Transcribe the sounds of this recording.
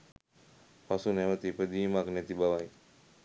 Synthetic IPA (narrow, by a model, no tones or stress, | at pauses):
pasunɛʋət̪ipəd̪iːmaknɛt̪ibaʋaj